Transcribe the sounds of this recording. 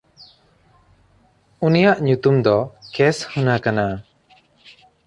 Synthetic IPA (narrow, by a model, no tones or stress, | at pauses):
unijaʔɲut̪umd̪ɔkɛshunakana